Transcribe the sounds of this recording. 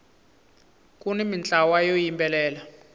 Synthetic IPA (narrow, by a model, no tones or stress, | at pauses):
k̬ʼunimint͡ɬʼawajojimbʼɛlɛːla